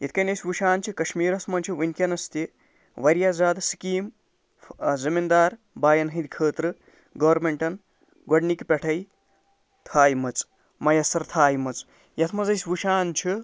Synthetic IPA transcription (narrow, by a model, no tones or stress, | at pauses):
jɐt̪ʰkɐnʲɐjsʲʋuʃaːnt͡ʃʰikɐʃmiːɾɐsmɐnt͡ʃʰiʋɐnʲkʲɐnɐst̪i | ʋɐɾjaːzaːd̪si̥kiːm | zimind̪aːɾ | baːjɐnɦĩd̪kʰəːt̪ɾɨ | ɡɐːɾmeɳʈɐn | ɡɐɖnikpʲeʈʰɐj | t̪ʰaːjmɐt͡s | mɐjɐsɐɾt̪ʰaːjmɐt͡s | jɐt̪ʰmɐzɐjsʲʋuʃaːnt͡ʃʰi